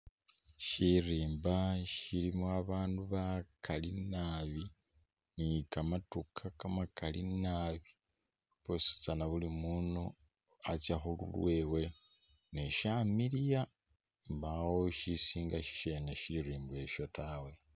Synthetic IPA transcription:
ʃiriːmbaʃilimoaβaːnduβakʰalinaβi | nikamatukʰakamakalinaβi | posi̥t͡sanaβulimuːno | at͡sjaxulṵlweːwe | neʃamilija | mbawoʃisiːŋɡaʃi̥ʃeneʃiriːmbe̞ʃo̞tʰawe̞

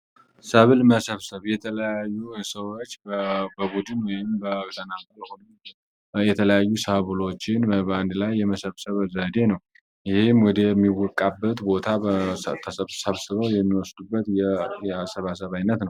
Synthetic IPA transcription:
səβɨlməsəβsəβjɛt̪ʰələjajːusəwot͡ʃːbəbud̪ɨnwɔjɪmbəkt̪ʰənakalhonu | jɛt̪ʰələjajːusəβɨlo̞t͡ʃːɪnbəand̪lajːɛməsəβsəβəzəd̪e̞nəw | jɪhemwɔd̪əmːiwɔkʼabːət̪bo̞t̪ʰat̪ʰəsəβsəβsɨβəwjɛmːiwɔsd̪ubːət̪jɛjɛasəβas̬əβajnːət̪nəw

